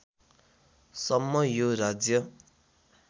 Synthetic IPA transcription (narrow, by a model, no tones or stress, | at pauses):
sʌmːʌjoɾad͡zjʌ